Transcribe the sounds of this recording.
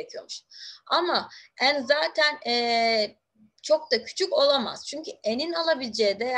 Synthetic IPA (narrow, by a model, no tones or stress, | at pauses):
ecʰijo̞̰muʃamaænzaːt̪ʰænɛː | t͡ʃʰo̞k̚t̪acʰy̥t͡ʃʰyco̞lˠama̰z̥t͡ʃʰyɲcʰyeninalˠabilʲd͡ʒeːd̪ɛ